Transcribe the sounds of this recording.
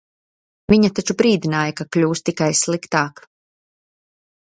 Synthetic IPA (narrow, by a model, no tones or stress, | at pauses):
viɲat̪at͡ʃubɾiːd̪inaːjakaklʲuːst̪ikajslˠikt̪aːk